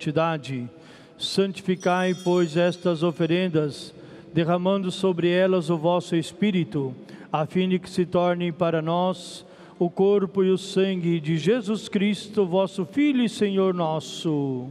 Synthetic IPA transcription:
t͡ʃid̪ad͡ʒɪ | sɐ̃nt͡ʃi̥fikajpojzɛst̪ɐzofeɾẽnd̪ɐz | d̪eʁɐmɐ̃nd̪ʊsobɾɪɛlɐzʊvɔsʊespiɾit̪ʊafĩd͡ʒ̪ɪkɪ̥sɪt̪ɔɾnɪ̃paɾɐnɔz | ʊkoɾpʊiʊsɐ̃ŋɡɪd͡ʒɪʒezuskɾist̪ʊvɔsʊfiʎʊiseɲoɾnɔsʊ

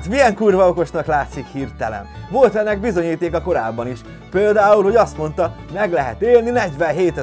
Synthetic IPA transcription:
t̪mijɛŋkuːrvɒoko̞ʃnɒklaːt̪sikhirt̪ɛlɛ̰nvo̞lt̪ɛnːɛɡ̚bizo̞ɲiːt̪eːkɒko̞ɾa̰ːbːɒniʃ | peːld̪aːulho̞ɟɒst̪mo̞nt̪ɒmɛɡlɛɦɛ̰t̪eːlninɛɟʋɛnɦeːt̪ɛ

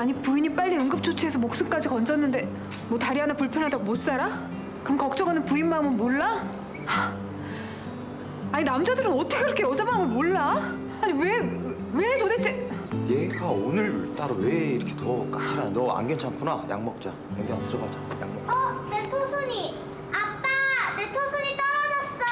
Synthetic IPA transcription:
aɲipuiɲip͈aʎːiɯŋɡɯp̚t͡ɕʰot͡ɕʰie̞sʰʌmok̚s͈ɯnk͈ad͡ʑikʌnd͡ʑʌnːɯnde̞ | mwʌtaɾiɦanapuɭpʰjʌnɦadaɡomot̚s͈aɾa | kɯɯkʌk̚t͡ɕ͈ʌɡɯnɯnpuinmaɯmɯnmoɭːa | aɲinamd͡ʑadɯɾɯnʌt͈ʌkʰeiɾʌkʰeʌd͡ʑamaɯmɯnmoɭːa | aɲiwe | wetodet͡ɕ͈ijeɡaonɯɭt͈aɾoweiɾʌkʰetʌk͈at͡ɕʰinanʌa̰ŋɡjʌnt͡ɕʰamkʰunaja̰ŋmʌk̚t͡ɕ͈a | jeɡeʌs͈ʌbad͡ʑaja̰ŋmʌk̚ʌnetʰosʰoɲi | ap͈anetʰosʰoɲit͈ʌɾʌd͡ʑʌs͈ʌ

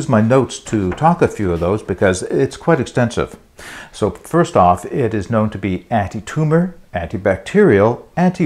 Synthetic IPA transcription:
zmaɪnoʊtstʰɨtʰɔkɨfjʉʌvðoʊzbɨkʰʌzɪtskʰw̥aɪɾɨkstɛ̃nsɪ̰v̥ | soʊfɜ˞stɔfɪɾɨznõʊ̃ntʰɨbiæ̃ntitʰumə˞æ̃ntibæk̚tʰɪɹil̩ˠæ̃ntʰi

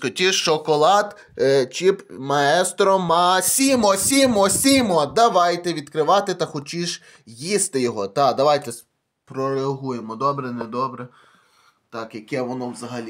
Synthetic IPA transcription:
xɔtʲit͡ʃɔkɔlˠɑd̪ | t͡ʃipmɐɛst̪ɾɔmɐsʲimɔsʲimɔsʲimɔd̪ɐʋɑjt̪ɛʋʲid̪kɾɪʋɑt̪ɪt̪ɐxɔt͡ʃʲiʒ | jist̪ɪjɔɦɔt̪ɑd̪ɐʋɑjt̪ɛs | pɾɔɾeɐɦujemɔd̪ɔbɾɛnɛd̪ɔbɾɛ | t̪ɑkjɐkɛʋɔnɔwzɐɦɐlʲi

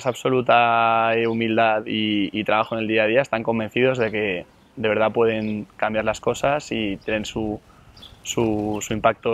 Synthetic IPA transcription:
saβso̞lut̪aeumild̪aðiːt̪ɾaβaxoeneld̪iað̞iaest̪aŋko̞mbe̞n̟θiðo̞zðe̞ke̞ | d̪eβe̞ɾð̞apwe̞ð̞e̞ŋkambjaɾlasko̞sasit̪je̞nensu | susuimpak̚t̪o

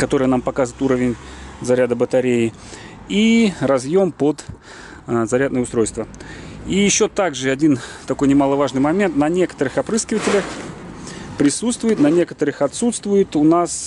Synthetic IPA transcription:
kɐt̪o̞ɾəjənampɐkazɪt̪uɾəvʲɪnʲzɐɾʲad̪əbət̪ɐɾʲejɪ | irɐzjo̞mpəd̪ | zɐɾʲad̪nəjəʊst̪ɾo̞jst̪vəijɪɕːot̪aɡʐɨɐdʲint̪ɐko̞jnʲɪmalˠəvaʐnɨjmɐmʲe̞nt̪nɐnʲe̞kə̥t̪əɾɨxɐpɾɨskʲɪvətʲɪlʲəx | pɾʲɪsut̪st̪vʊjɪt̪nɐnʲe̞kə̥t̪əɾɨxɐt̪sut̪st̪vʊjɪt̪ʊnas

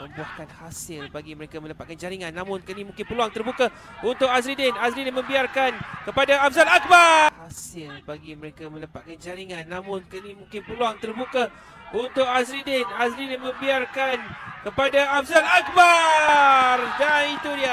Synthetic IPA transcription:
mə̃mbuahkanhasɪlbaɡiməɾekamə̃ləpat̪̚kand͡ʒaɾiŋanːãmʊ̃nkənimũŋkɪnpəluaŋt̪ərbuka | unt̪ʊk̚as̬ɾidɪnasɾidɪnmə̃mbiarkankəpadaafzanak̚bahasɪlbaɡiməɾekamə̃ləpat̪̚kand͡ʒaɾiŋãnːãmʊ̃nkənimũŋkɪnpəluaŋt̪ərbuka | unt̪ʊk̚asɾidɪnasɾidɪnmə̃mbiarkankəpadaafzanak̚ba | rdanit̪udia

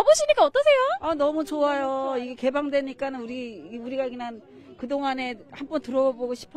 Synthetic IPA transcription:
ʌboɕʰiɲik͈aʌt͈ʌsʰe̞joʌnʌmut͡ɕoajoiɡe̞ke̞baŋdwe̞ɲik͈anɯnuɾiuɾiɡakɯnan | kɯdoŋane̞hanbʌntɯɾʌʌboɡoɕʰi̥pʰʌ

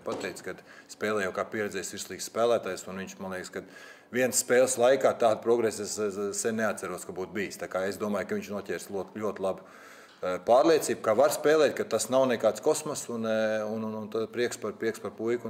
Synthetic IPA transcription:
pat̪ɛjkskad̪spɛːlˠɛjawkaːpʲiɛɾɛd̪zɛːjsʋiɾslˠiːksspæːlˠæːt̪aːjsunʋiɲt͡ʃmanlˠiɛkskad̪ | ʋiɛnsspeːlˠslˠajkaːt̪aːd̪̚pɾɔɡɾesessɛnneat̪sæɾuɔskabuːt̪̚biːst̪aːkaːesd̪uɔmaːjkɐʋiɲt͡ʃnuɔcʲɛːɾslʲuɔt̪lʲuɔt̪lˠab | paːɾlˠiɛt̪siːb̚kaʋaɾspɛːlˠɛːt̪̚kat̪asnawnɛkaːt̪skɔsmɐsununnunt̪apɾiɛkspaɾpiɛkspaɾpujku

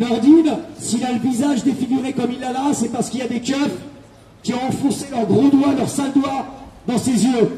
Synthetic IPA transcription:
nɔʁd̪insilaləvizaʒd̪efiɡʲiʁekɔmilːalasɛpaʁsə̥kiljad̪ekʲœf | kʲiɔ̃ɑ̃fɔ̃selœʁɡʁod̪walœʁsald̪wad̪ɑ̃sezjø

